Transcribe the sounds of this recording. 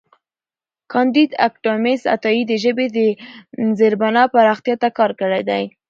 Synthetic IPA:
kɑnd̪id̪a̰kʈomesa̰t̪ɑjid̪əʒəbed̪əzeɾbanɑpaɾɑxt̪ijɑt̪akɑɾkəɽajd̪aj

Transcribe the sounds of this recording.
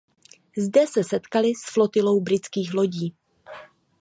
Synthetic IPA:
zdɛsɛsɛt̪kalɪsflo̞t̪ɪlo̞wbɾɪt͡skiːxlo̞ɟiː

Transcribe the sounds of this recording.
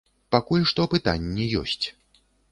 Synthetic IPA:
pakulʲʂt̪ɔpɨt̪a̰nʲːɛjɔ̰sʲt͡sʲ

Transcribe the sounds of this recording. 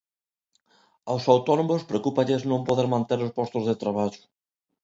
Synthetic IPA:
awsawt̪ɔnomospɾeokupaʎeznõmpoðeɾmãnt̪eɾospɔst̪ozðet̪ɾaβaʎʊ̥

